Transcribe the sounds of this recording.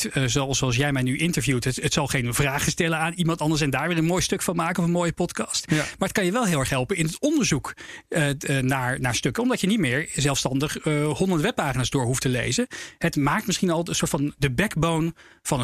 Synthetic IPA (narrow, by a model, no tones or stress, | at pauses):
zsoɑlˠs̬jɛjmɛjnyʔɪntəɹvjutəətsɑlˠχejnvraːχəstɛləaːnimɑntɑndəɹs̬ɛndaːɹʋɪːrənmoːjstɵkfɑnmaːkəɔfənmoːjəpɔtkɑstmaːɹɦət̚kɑnjəʋɛlˠɦɪːlˠɛχɦɛlˠpənɪnətɔndəɹzukː | naːɹnaːɹstøkəɔmdɑtjənitmɪːɹzɛlˠfstɑndəχhɔndəntʋɛpːaːχinaːzdʊːɹɦuftəlḛjzəɦətmaːktmɪsχinɑlˠənsʊːtfɑndəbɛkbownv̥ɑnə